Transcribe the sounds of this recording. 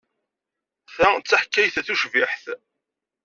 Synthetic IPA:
θæt͡sːaħkːæjθæθuʃviħθ

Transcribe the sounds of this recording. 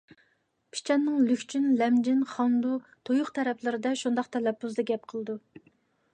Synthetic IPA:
pʰi̥t͡ʃʰɛnːɨŋlykʲt͡ʃʰynlɛmd͡ʒɪnχɑnd̪ut̪ʰojʊχt̪ʰɛɾɛpʰlɪɾɪd̪ɛʃund̪ɑqt̪ʰɛlɛpːuzd̪ɑɡʲɛp̚qʰəlˠɨd̪u

